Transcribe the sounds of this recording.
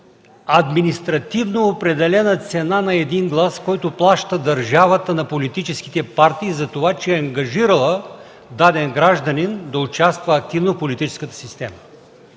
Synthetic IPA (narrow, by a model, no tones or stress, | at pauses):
ɐd̪minist̪ɾɐt̪ivnoopɾɛd̪ɛlɛnət̪sɛnanɐɛd̪inɡlˠaskɔjt̪oplˠaʃt̪əd̪ɐɾʒavət̪ənɐpolit̪it͡ʃɛski̥t̪ɛpaɾt̪iːzɐt̪ovat͡ʃɛɐŋɡɐʒiɾəlˠə | d̪ad̪ɛnɡɾaʒd̪ɐnind̪ɐʊt͡ʃast̪vəːk̚t̪ivnofpolit̪it͡ʃɛ̥skət̪ə̥sist̪ɛmə